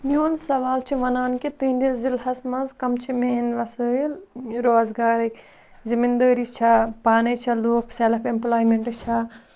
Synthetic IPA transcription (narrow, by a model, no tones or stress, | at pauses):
mioːnsɐʋaːlt͡ʃʰiʋɐnaːnkit̪ĩːnd̪izilhɐsmɐzkɐmt͡ʃʰimeːnʋɐsəːilɾoːzɡaːɾɐkʲ | zimind̪əːɾit͡ʃʰɐpaːnɐt͡ʃʰɐloːkʰselɐpemplaːjmeɳʈɨt͡ʃʰɐ